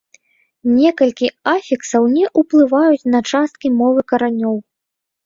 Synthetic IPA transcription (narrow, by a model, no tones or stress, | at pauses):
nʲɛkɐlʲkʲiafʲiksɐwnʲɛʔuplˠɨvajut͡sʲnɐt͡ʂast̪̚kʲimɔvɨkɐɾanʲɔw